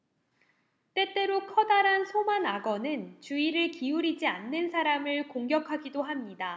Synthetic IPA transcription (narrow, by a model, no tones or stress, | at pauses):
t͈e̞t͈e̞ɾokʰʌdaɾɦansʰomanaɡʌnɯnt͡ɕuiɾɯɭkiuɾid͡ʑianːɯnsʰaɾamɯɭkoŋɡjʌkʰaɡidoɦamɲida